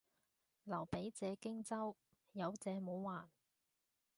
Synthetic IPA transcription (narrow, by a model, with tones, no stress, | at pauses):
lɐ˨˩wpe˨˥jt͡sɛː˨˧kɪ˥ŋt͡sɐ˥w | jɐ˨˧wt͡sɛː˨˧mo˨˥wwaː˨˩n